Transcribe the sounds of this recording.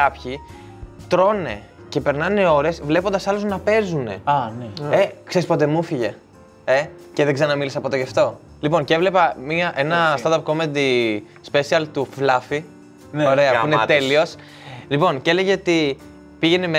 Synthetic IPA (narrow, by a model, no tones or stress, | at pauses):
ɐpçi | t̪ɾo̞ne̞̰ce̞pe̞ɾnɐneo̞ɾe̞svle̞pond̪ɐsɐluznɐpe̞zune̞̰nekse̞ɾispo̞t̪̬e̞mufiʝe̞ | e | ceðeɡzeɾɐnɐmilisɐpo̞t̪eʝɐft̪o̞ | lipo̞ncevle̞pɐmiɐʔe̞nɐst̪ɐnt̪ɐpko̞med̪i | spe̞siɐlt̪uvlɐfi | oɾe̞ɐpuinet̪elio̞s | lipo̞nceleʝeot̪i | piʝe̞neme